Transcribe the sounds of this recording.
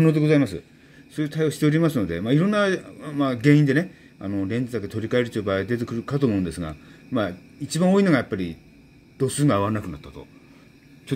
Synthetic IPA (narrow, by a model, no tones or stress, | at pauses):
nod̪e̞ɡo̞zaimasɨ̰ | soːjɯ̟t̪ʰaijoɕi̥t̪e̞oɾʲimasɨno̞d̪e̞maːiɾõ̞nːamaɡẽ̞ĩnd̪e̞ne̞ | ano̞ɾẽ̞ɲd͡ʑid̪aket̪o̞ɾʲikae̞ɾɯ̟t͡ɕ̪oːbaːd̪e̞t̪̬e̞kɯ̟ɾɯ̟kat̪oːmo̞ɯ̟̃nd̪e̞sɨɡa̰ma | it͡ɕibão̞ːino̞ɡajapːaɾʲi | d̪̥o̞sɨːŋɡaːβaɾnakɯ̟nat̪ːat̪o̞̰ | t͡ɕo